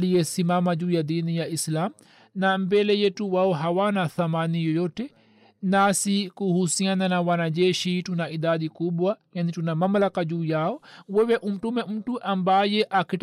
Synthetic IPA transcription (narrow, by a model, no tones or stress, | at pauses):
lijɛsimamad͡ʒuːjadinijaislam | nambɛlɛjɛtuwaɔɦawanaθamanijɔjɔtɛ | nasikuhusiananawanad͡ʒɛʃitunaiɗaɗikuɓwajanitunamamlakad͡ʒuːjaɔwɛwɛʔum̩tumɛm̩tuʔambajɛʔakit